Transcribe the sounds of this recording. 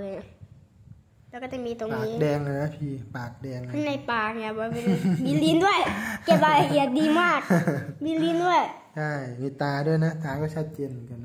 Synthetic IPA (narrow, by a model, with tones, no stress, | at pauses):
lɛː˧˦kɔː˥˩t̪a˧˩miː˧t̪o˧ŋaniː˨˦k̚dɛː˧ŋa˧˩na˦˥pʰiː˧paː˨˩k̚dɛː˧ŋkʰa˧˥˩nːa˧˩jpaː˨˩k̚ni˧˩˨bɔː˧˩be˧˩biː˧li˧˦ndu˥˩əjke˧˩p̚la˧la˧˩ʔi˨˩ət̪̚diː˧maː˥˩k̚biː˧liː˧˥ndu˥˩əj | t͡ɕʰa˥˩jmiː˧˩t̪aː˧du˥˩əjna˦˥t̪aː˧kɔː˥˩t͡ɕʰa˦˥t̪̚t͡ɕeː˧nm˧nka˧n